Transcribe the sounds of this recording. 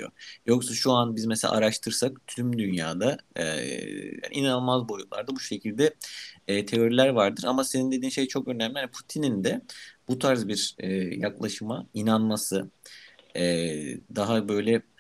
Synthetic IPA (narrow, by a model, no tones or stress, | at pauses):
jo̰jo̞ksaʃuanbizmeselʲʔa̰ʔaɾaʃt̪ʰɯɾsakt̪ʰymd̪ynja̰ːd̪a̰ | ja̰nʔinanɯlˠmazbo̞jut̪̚lˠa̰ɾd̪abuʃe̞cʰilʲd̪ɛː | t̪ʰe̞o̞ɾilʲæɾvaɾd̪ɯɾamase̞nind̪e̞d̪iːnʃe̞jt͡ʃʰo̞kø̞næmlʲihanipʰu̥t̪ʰinind̪ɛb̥ut̪ʰaɾzbiɾɛjaklˠaʃɯmainanmasɯ | ɛd̪aɦabø̞jlʲɛ